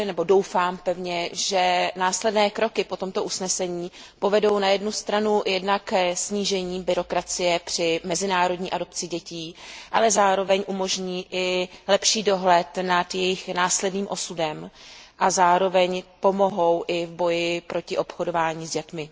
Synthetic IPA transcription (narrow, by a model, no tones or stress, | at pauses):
nɛbo̞do̞wfaːmpɛvɲɛʒɛnaːslɛdnɛːkɾo̞kɪpo̞t̪o̞mt̪o̞ʔusnɛsɛɲiː | po̞vɛdo̞wnajɛdnust̪ɾanujɛdnakːsɲiːʒɛɲiːbɪɾo̞kɾat͡sɪjɛpr̝̥ɪmɛzɪnaːɾo̞dɲiːʔado̞pt͡sɪɟɛciːʔa̰lɛzaːɾo̞vɛɲʔumo̞ʒɲiːʔɪlɛpʃiːdo̞ɦlɛt̪nat̪jɛjɪxnaːslɛdniːmʔo̞sudɛmʔazaːɾo̞vɛɲpo̞mo̞ɦo̞wʔɪvbo̞jɪpɾo̞cɪʔo̞pxodo̞vaːɲiːzɟɛt̪mɪ